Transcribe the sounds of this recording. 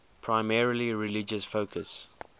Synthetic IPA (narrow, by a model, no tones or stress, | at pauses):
pʰɹ̥aɪmɛɹəliɹɪlɪd͡ʒəsfoʊkʰəs